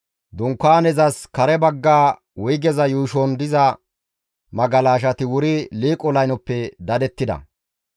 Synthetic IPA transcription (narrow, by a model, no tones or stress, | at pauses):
d̪ɔŋkːaːnɛzɐskɐɾɛbɐɡːaː | wʊjɡɛzɐjuːʃɔnd̪ɪzɐ | mɐɡɐlaːʃ̬ɐt̪ɪwʊɾɪliːkʼɔlɐjnɔpːɛd̪ɐd̪ɛt̪ːɪd̪ɐ̰